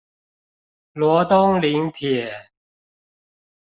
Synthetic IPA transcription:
lwɔ˨˧˥t̪ʊ˥ŋli˨˧˦ŋt̪ʰɛ˨˩˦

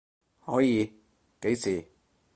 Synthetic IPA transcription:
hɔː˨˥jiː˨˧ | ke˨˥jsiː˨˩

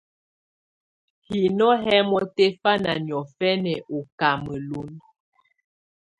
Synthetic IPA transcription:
hi˨nɔ˦ɦɛ˦mɔ˦tɛ˦fa˦na̰˨njɔ˨fɛ˦nɛ˨ʔo˨ka˨mə˨lu˦n

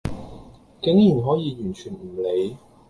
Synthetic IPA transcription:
kɪ˨˥ŋjiː˨˩nɦɔː˨˥jiː˨˧jyː˨˩nt͡ʃʰyː˨˩nm̩˨˩le˨˧j

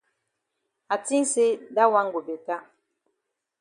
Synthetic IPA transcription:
a˨ti˦ŋ˦se˦da˦wa˦ŋ˦ɡo˨be˨ta˦

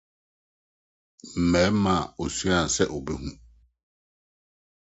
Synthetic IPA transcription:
m̩˨mɛ˨˦mã˨o˨su˦ã˦˨sɛ˦ʔɔ˨bɛ˦ɦũ˦

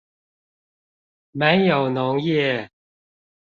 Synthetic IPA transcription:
me˨˦njo˨˩ʊno˨˧˦ŋjɛ˥˨

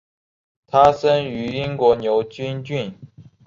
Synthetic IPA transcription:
t̪ʰa˥sə˥ŋy˧˥i˥ŋkwɔ˧˥njo˧˥ʊt͡ɕy˥nt͡ɕy˥˩n

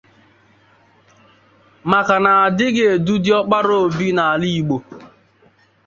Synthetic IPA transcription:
ma˨ka˨na˨a˨dɪ˦ɡɪ˦e˨du˦dɪ˦ɔ˦k͡pa˦ɾo˦o˨bi˦na˨a˨li˦i˨ɡ͡bo˨

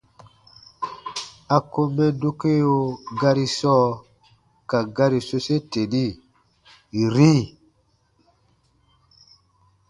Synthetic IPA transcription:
a˨ko˦mɛ˦do˦ke˦o˦ɡa˦ɾi˦sɔː˦ | ka˨ɡa˦ɾi˨so˦se˦te˨di˦˨ | ɾi˦

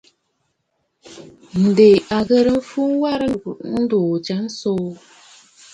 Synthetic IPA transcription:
n̩˨de˨ʔa˨ɣə˦ɾə˨m̩˦fu˦ŋ˦wa˦ɾə˦˨n̩˦do˨d͡ʒa˨˦n̩˦so˦

